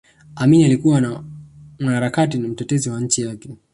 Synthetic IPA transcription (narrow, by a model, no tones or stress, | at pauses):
aminialikuwanamwanaɾakatinam̩tɛtɛziwaɲ̩t͡ʃijakɛ